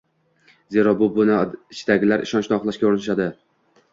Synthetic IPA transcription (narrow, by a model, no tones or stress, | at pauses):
ze̞ɾɒbʊbʊnɪɪt͡ʃʰɪd̪aɡʲɪlaɾʔɪ̰ʃɒnt͡ʃnɪɒχlˠaʃkʲauɾnɪʃ̬ad̪ɪ